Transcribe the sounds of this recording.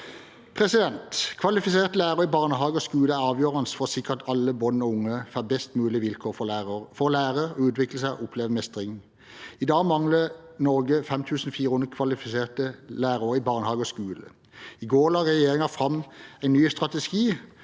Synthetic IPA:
pʰʁɛsɪd̪ɛnt̪kʰʋɑlɪfɪseːʁt̪əlæːʁəɪbɑʁnəɦɑːɡəɔskʉːləæɑːʋjøːʁɑnsfɔʁsɪkəʁt̪ʰɑlːəbɔnːɔʊŋːəfæbɛst̪mʉːlɪʋɪlkʰoːfɔlæːʁəɔʉːt̪ʰʋɪkləsæɪʊpʰleːʋəmɛst̪ʁɪŋn̩ | ɪd̪ɑːɡmɑŋlənɔʁɡəfɛmt̪ʰʉːsn̩fiːʁəhʊnd̪ʁəkʰʋɑlɪfɪseːʁt̪əlæːʁuʁəibɑʁnəhɑːɡəɔskʉːlə̰ | ɪɡoːʁlɑːʁɛjeːʁɪŋɑfʁɑmæɪnyːst̪ʁɑt̪ɛsɡiː

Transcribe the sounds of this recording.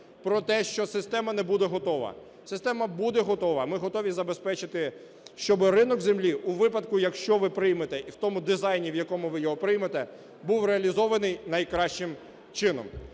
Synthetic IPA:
pɾɔt̪ɛʃt͡ʃɔsɪst̪ɛmɐnɛbud̪ɛɦɔt̪ɔʋɐ̰ | sɪst̪ɛmɐbud̪ɛɦɔt̪ɔʋɐmɪɦɔt̪ɔʋʲizɐbespɛt͡ʃɪt̪ɪ | ʃt͡ʃɔbɪrɪnɔɡzemlʲiuʋɪpɐd̪kʊjɐkʃt͡ʃɔʋɪpɾɪjmet̪ɛʔiwt̪ɔmʊd̪ɪzɑjnʲiʋjɐkɔmʊʋɪjɔɦɔpɾɪjmɐt̪ɛ | buwɾeɐlʲizɔʋɐnɪjnɐjkɾɑʃt͡ʃɪm | t͡ʃɪnɔ̰m

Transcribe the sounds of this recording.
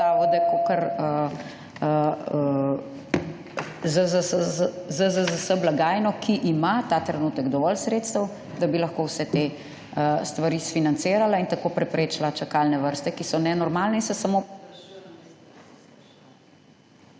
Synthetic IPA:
aːʋɔd̪akokəɾə | ə | zəzəsəzəzəzəsəblaɡaːjnɔkʰiʔimat̪at̪ɾɛnuːt̪əɡd̪ɔʋɔlsɾet̪st̪əw | d̪abilɐxkowsɛt̪e | əst̪ʋaɾisfinant̪seːɾalaint̪akoːpɾɛpɾeːt͡ʃlat͡ʃakalnɛʋəɾst̪ɛkisɔnɛnɔɾmaːlnɛinsɔsamo

